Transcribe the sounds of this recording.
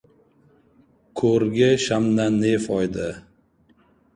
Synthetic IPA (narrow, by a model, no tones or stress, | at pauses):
kʰoɾɡʲɪʃamnanefɒjd̪ɪ